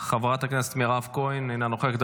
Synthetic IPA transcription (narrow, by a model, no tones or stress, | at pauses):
χavʁat̪hakneset̪miʁavkojnejnanoχekd̪a